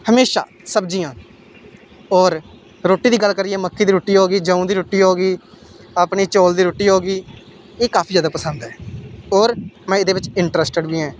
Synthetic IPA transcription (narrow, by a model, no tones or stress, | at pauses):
həmeːʃa̰ː | səbd͡ʒiːjãː | ɔːɾ | ɾoːʈːiːd̪iːɡəlkəɾiːɛ̃ːməkʰːiːd̪iːɾoːʈːiːɦoːɡiːd͡ʒə̃ːũːd̪iːɾoːʈiːɦoːɡiː | aːpɳiːt͡ʃoːld̪iːɾoːʈːiːɦoːɡiː | eːkaːpʰiːzjaːd̪aːpəsənd̪ɛːɔːɾmɛ̃ːɪd̪eːʋɪt͡ʃɪɳʈɾəsʈəɖbiːɛ̃ː